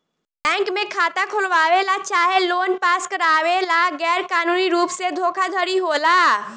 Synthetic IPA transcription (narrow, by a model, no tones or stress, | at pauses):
ʈɛ̃ŋkmekʰat̪akʰolʋaʋelat͡ʃaɦelonpaskəɾaʋelaɡɛɾkanuniɾupsed̪ʱokʰad̪ʱəɾiɦola